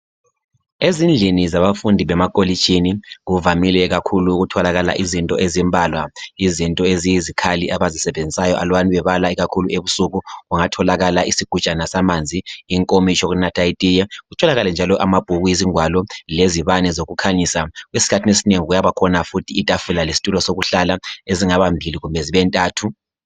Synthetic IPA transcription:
ezind͡ɮʱinizaβafundʱiβɛmakʼolit͡ʃʼiniɣuvamilɛɣakʰuluɣutʰɔlaɣala̰ʔizintʼɔʔezimbʱaːlwaizintʼɔezijizikʰaliʔaβazisɛβend͡zʱisajɔʔa̰lwaniβɛβalaiɣakʰuluʔeβusuɣuɣuŋatʰɔlaɣalaʔisiɡ̥ʱut͡ʃʼanasamand͡zʱiːŋkʼomit͡ʃʰʼɔɣunatʰʼaitʼijɛɣutʰɔlaɣalɛnd͡ʒʱalɔʔamab̥ʱuɣujiziŋʱwalɔleziβanɛzoɣukʰaɲisaɣwesi̥kʰatʰinesineŋiɣujaβakʰɔnafutʰiːtʼafulalesi̥tʼulɔsoɣuɬalaeziŋaβambʱiliɣumbʱɛziβɛntʼaːtʰu

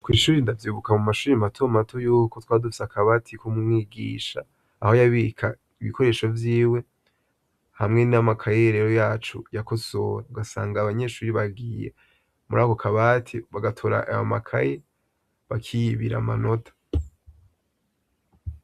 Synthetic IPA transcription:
kwiːʃuːɾindavjuːβukamumaʃuːɾimatʰomatʰojuːkotwaːdufi̥sakʰaβaːtʰikumumŋiːɡḭːʃa̰ː | ho̞jaβikʰa | iβḭkʰo̞ɾe̞ːʃo̞vjiːwe̞ | hamŋe̞niamakʰajeɾeɾo̞jaːt͡ʃṵjako̞so̞ɾauɡasa̰ːŋɡaβaɲe̞ʃuːɾiβaɡiːjḛ | muɾaːkokʰaβatʰiβaɡatʰoɾa̰ʔa̰jo̰makʰa̰je | βakʰijiβiɾa̰ma̰no̞tʰḁ

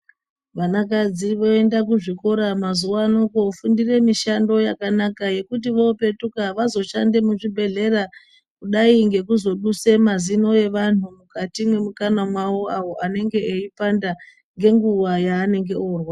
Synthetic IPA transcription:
ʋanakad͡ziʋo̞e̞ndakuʐiko̞ɾamazuwaːnokofundire̞miʃando̞jakanakaje̞kut̬iʋo̞pe̞tukaʋazo̞ʃande̞muʐibʱe̞ɮe̞ra | kuɗaiŋɡe̞kuzo̞ɗuse̞mazino̞je̞ʋan̤umukatimwe̞mukanamwawo̞awo̞ʔane̞ŋɡe̞eipanda | ŋɡe̞ŋɡuʋajaːne̞ŋɡe̞oːrwa

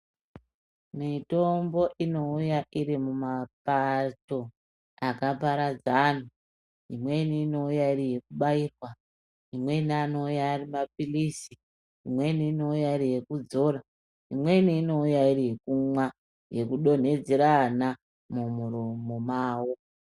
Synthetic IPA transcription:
mito̞mbo̞ʔino̞ujaʔiɾimumapato̞ | akapaɾad͡zan̤u | ḭmwe̞niːno̞ujaiɾije̞kuɓaiːkwa | imwe̞niano̞ujaːrimapilisi | imwe̞niːno̞ujaiɾije̞kud͡zo̞ra | ḭmwe̞niːno̞ujairije̞kumwa | je̞kuɗo̞n̤e̞d͡ziɾana | mumuɾomomaːwo

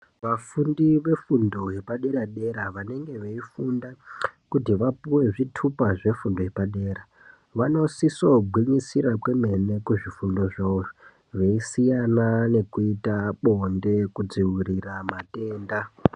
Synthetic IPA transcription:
ʋafundiʋe̞fundo̞ɦe̞paɗe̞ɾaɗe̞ɾaʋane̞ŋɡe̞ʋeifundakutiʋapuwe̞ʐitʰupaʐe̞fundoɦepaɗe̞ːɾa | ʋano̞sisobʱwiɲisiɾakwe̞me̞ne̞kuʐifundo̞ʐoo | ʋeisijanane̞kuitaɓo̞nde̞kud͡ziwiriramate̞ːnda

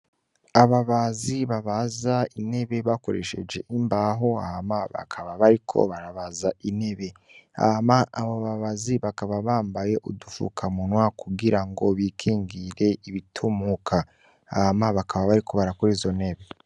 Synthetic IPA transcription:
aβaβaziβaβazaine̞βe̞βakoɾe̞ʃe̞̰d͡ʒe̞̰ʔimbaɦo̞a̰hamaβa̰kʰaβaβaɾikʰo̞̰βaɾaβazaʔine̞βe̞ | a̰maʔaβaβaβaziβakaβaβaːmbaje̞ʔudufṵkʰamunwakuɡiɾaŋɡo̞βiːkʰiːŋɡiɾe̞iβitʰumukʰa | ahamaβakaβaβaɾikʰo̞βaɾakoɾiːzo̞ne̞βe̞

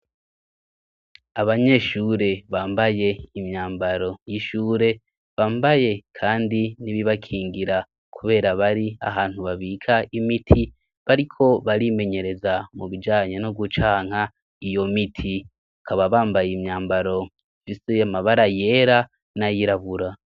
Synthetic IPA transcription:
aβaɲe̞ʃuːɾe̞βaːmbaje̞imɲaːmbaɾo̞jiʃuːɾe̞ | βaːmbaje̞kʰaːndiniβiβakʰiːŋɡiɾa | kʰuβe̞ːɾaβaɾia̰ɦaːn̥huβaβiːkʰaimitʰi | βaɾikʰo̞βaɾime̞ɲe̞ɾe̞zamuβid͡ʒaːɲenoɡut͡ʃaːŋ̥ha | ijo̞mitʰi | βakʰaβaβaːmbajimɲaːmbaɾo̞ | fisejamaβaɾaje̞ɾa | najiɾaβuɾa

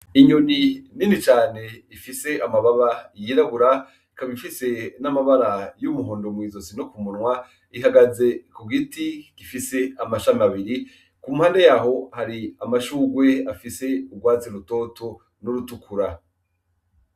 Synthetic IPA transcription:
iɲonininit͡ʃaːne̞ifise̞ʔamaβaβajiɾaβuɾa | ikaβifise̞namaβaɾajumuɦoːndomwiːzo̞sinokumunŋwa | iɦaɡaze̞kuɡitiɡ̥ifise̞amaʃamaβiɾi | kumhaːnde̞jaɦo̞haɾiamaʃuːɡwe̞afise̞uɡwaːt͡seɾuto̞to | nuɾutukʰuɾa

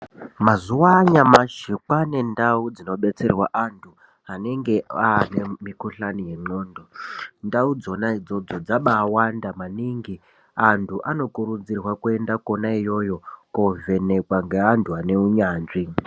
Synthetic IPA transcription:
mazuwaɲamaʃikwane̞ndaud͡zino̞ɓe̞t͡se̞rwaʔantʰu | ane̞ŋɡe̞aːne̞mikuɬanije̞ŋ͡ǃoːndondaud͡zo̞naid͡zo̞d͡zo̞d͡zaɓaːwandamaniŋɡi | antʰuʔano̞kuɾud͡zirwakue̞ndakonaijo̞jo̞kove̞ne̞kwaŋɡe̞antʰuane̞uɲaːnʐi

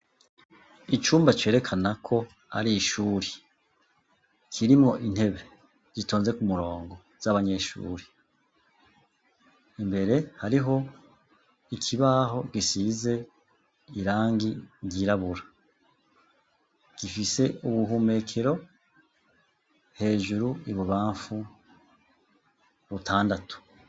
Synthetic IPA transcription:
it͡ʃuːmbat͡ʃe̞ːɾe̞kʰanakʰo̞ | ha̰ɾiʃuːɾe̥ | kʰiɾimŋo̞ʔin̥he̞βe̞ | z̥ito̞ːnze̞kumuɾo̞ːŋɡo̞ | z̥aβaɲe̞ʃṵːɾe | imbe̞ɾe̞haɾiɦo̞ | ikʰiβaːɦo̞ɡisize̞ | iɾaːŋɡiɟiɾaβuɾa | ɡ̥ifise̞uβuhume̞kʰeɾo̞ | he̞ːʒuɾuiβuβaːɱfu | βutʰaːndatu̥

